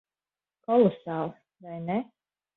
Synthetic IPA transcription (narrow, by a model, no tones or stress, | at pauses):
kɔlˠɔsaːlˠ | vajnɛ